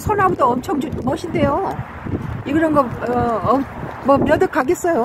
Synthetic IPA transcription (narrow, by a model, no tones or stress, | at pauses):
sʰonɦaɡudoʌmt͡ɕʰʌŋd͡ʑumʌɕʰinde̞jo | iɡɯɾʌnɡʌʌʌmʌmjʌdɯk͈ʰaɡes͈ʌjo